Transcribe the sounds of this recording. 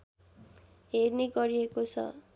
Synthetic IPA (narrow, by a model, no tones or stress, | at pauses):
ɦerneɡʌɾiekot͡sʰʌ̰